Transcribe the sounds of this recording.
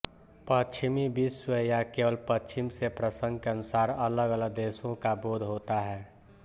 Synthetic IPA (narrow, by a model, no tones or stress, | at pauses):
pət͡ʃt͡ʃʰɪmibiswejakeːwəlpət͡ʃɪmsepɾəsə̃ŋɡ̚keənʊsaːɾələɡələɡ̚d̪eːsõkaboːd̪ʱɦoːt̪aɦɛː